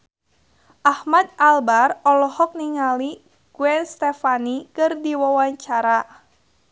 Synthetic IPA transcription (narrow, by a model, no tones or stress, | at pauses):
ʔahmad̪̚albarɔlɔhɔk̚niŋali | ɡ̥uɛnst̪ɛfanikɨrdiwawaɲt͡ʃaɾa